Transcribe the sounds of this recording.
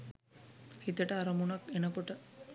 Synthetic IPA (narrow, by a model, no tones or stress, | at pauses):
hit̪əʈəaɾɐmunakenəkoʈə